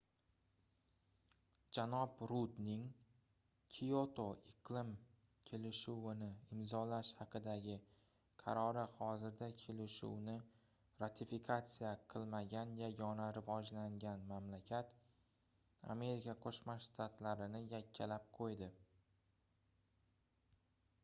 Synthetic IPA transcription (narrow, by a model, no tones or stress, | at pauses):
d͡ʒanɒbɾud̪nɪŋ | kʲʰiot̪ʰo̞ɪqlˠɪm | kʲʰe̞lɪʃuwɪnɪɪmzɒlaʃhɑqɨd̪aɡʲɪ | qʰɑɾɒɾɪhɒzɪɾd̪akʲʰe̞lɪʃṵwnɪ | ɾat̪ʰifikʰat̪sijaqʰɨlˠmaɡʲanjaɡɒnaɾɪvɒd͡ʒlaŋɡʲanmamlakʲʰat̪ | a̰me̞ɾikʰaqʰoʃmaʃt̪ʰat̪laɾɪnɪjakʲʰːalap̚qʰojd̪ɪ